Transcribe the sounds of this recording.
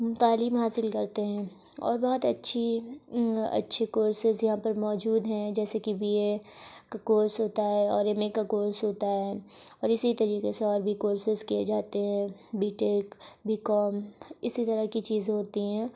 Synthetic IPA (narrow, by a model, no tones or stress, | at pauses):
t̪aːliːmɦaːsɪlkɐɾt̪eɦɛ̃ː | ɔ̰ːɾbɔɦʊt̪ɐtːʃʰi | ɐ̰tːʃʰekoːɾsɪzjɐɦãpɐɾmɔːd͡ʒuːd̪ɦɛ̃d͡ʒɛːsekibʱiekakoːɾsɦoːt̪aɦɛɔːɾemekakoːɾsɦoːt̪aɦɛːɔːɾɪsit̪ɐɾiːqeseɔːɾbʱikoːɾsɪzkied͡ʒaːt̪eɦɛ̃ːbiːʈeːkbʱiːkɔːmɪsit̪ɐɾəkit͡ʃiːzɦoːt̪iɦɛ̃ː